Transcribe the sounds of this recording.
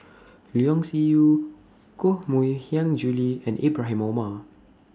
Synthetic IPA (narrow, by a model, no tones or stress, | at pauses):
liɔ̃ŋsiju | kohmuihiãŋd͡ʒuliɛ̰̃nʔḭbɹaɦĩmoma